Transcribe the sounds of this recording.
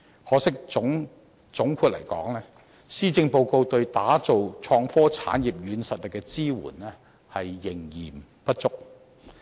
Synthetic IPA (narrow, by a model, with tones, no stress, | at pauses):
hɔː˨˧˥sɪ˥k̚ʊ˨˥ŋ | t͡sʊ˨˥ŋkʰuː˧t̚lɐ˨˩jkɔ̰ː˨˥ŋlɛː˥ | siː˥t͡sɪ˧ŋpo˧wko˧wt̪ɵ˧ɥt̪aː˨˥t͡so˨wt͡ʃʰɔː˧ŋfɔː˥t͡sʰa̰ː˨˥njiː˨p̚jyː˨˧nsɐ˨t̚lɪ˨kːɛ˧t͡siː˥wṵː˨˩nlɛː˥ | hɐ˨jːɪ˨˩ŋjiː˨˩m | pɐ˥t̚t͡sʊ˥k̚